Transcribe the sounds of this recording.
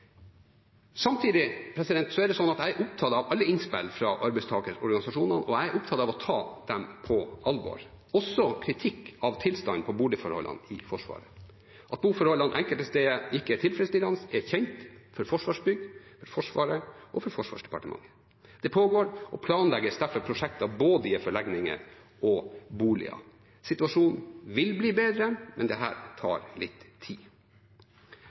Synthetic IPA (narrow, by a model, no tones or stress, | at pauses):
sɑmt̪ʰiːd̪ɪpʰɾɛsɪd̪ɛnt̪sɔɛɖ̪ɛsɔnːɑt̪æɪʔʊp̚t̪ʰɑːt̪əɑʋɑlːəɪnspɛ̰lfɾɑ̰ːʔɑɾbɛɪst̪ʰɑːkəɾɔɾɡɑnɪsɑʂuːnɑnʔɔæɪʔʊpt̪ʰɑːd̪əɑʋɔt̪ʰɑːd̪̥ɛmpʰɔɑlʋɔ̰ːɾ | ɔsːɔkʰɾɪt̪ʰɪkːɑʋt̪ʰɪlst̪ɑŋpʰɔbuːɖɪfɔɾhɔ̰lːɑ̰nɪfɔʂʋɑ̰ːɾə | ʔɑt̪̚buːfɔɾhɔlːɑnʔɛŋkəlt̪əst̪eːəɪkːəɛt̪ʰɪlfɾɛst̪ɪlɑnsɛçɛŋt̪fɔɾfɔʂʋɑʂbʏɡfɔɾfɔʂʋɑːɾəʔɔfɔɾfɔʂʋɑ̰ːʂd̪ɛ̥pɑ̰ʈəmɑ̰ŋːə | d̪̥ɛpʰoːɡoːɾʔɔpʰlɑːnlɛɡəsd̪æɾfɔɾpʰɾʊʂɛk̚t̪ɑboːd̪əɪɛfɔɭɛɡnɪŋə̰ɾ | ɔbuːlɪ̰ɑ̰ | sɪt̪ʉɑʂuːnʋɪlbliːbeːd̪ɾəmʔɛ̰nd̪ɛɦæ̰ːɾt̪ʰɑ̰ːɾlɪt̪ʰːḭː